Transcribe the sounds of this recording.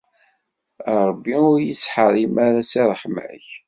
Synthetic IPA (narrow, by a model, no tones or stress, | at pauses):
əɾˤəbːiʊɾjit͡sːħəɾˤimaɾæsiɾˤəħmə̰ç